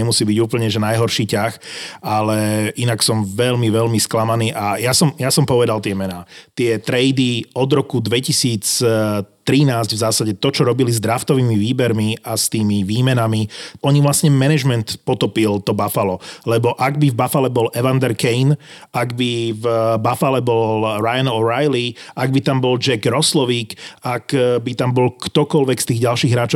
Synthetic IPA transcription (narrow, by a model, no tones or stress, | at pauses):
ɛmusiːbiɟuːpl̩ɲɛʒɛnajɦɔɾʃiːcaxalɛʔinaksɔmʋɛʎmiʋɛlmisklamaniːʔajasɔmjasɔmpɔʋɛd̪alt̪ɪɛmɛnaːt̪ɪɛt̪ɾɛjd̪iɔd̪ɾɔkud̪ʋɛcisiːt͡s | t̪ɾinaːzɟvzaːsaɟɛt̪ɔt͡ʃɔɾɔbilizd̪ɾaft̪ɔʋiːmiʋiːbɛɾmiast̪iːmiʋiːmɛnamiɔɲiʋlasɲɛmɛnɛʒmɛnt̪pɔt̪ɔpilt̪ɔbafalɔlɛbɔʔaɡ̚bivbafalɛbɔlʔɛʋand̪ɛɾkɛjnʔaɡbivbafalɛbɔlɾajanɔɾajliʔaɡ̚bit̪ambɔld͡ʒɛɡɾɔslɔʋiːkakbit̪ambɔlkt̪ɔkɔlʋɛkst̪iːɣɟalʃiːɣɦɾaːt͡ʃɔ